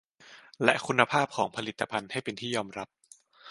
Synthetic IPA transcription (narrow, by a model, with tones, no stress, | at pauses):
lɛ˦˥ʔkʰu˧nːa˧pʰaː˥˩p̚kʰɔː˩˦ŋpʰa˧li˨˩t̪ːa˧pʰa˧nha˥˩jpe˧nt̪ʰiː˥˩jɔː˧mɾa˦˥p̚